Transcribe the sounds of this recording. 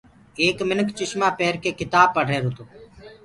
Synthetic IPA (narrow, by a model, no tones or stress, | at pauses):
eːkmɪnəkt͡ʃɪʃmaːpeːɾkeːkɪt̪aːb̚pːəɖeːɾʊt̪oː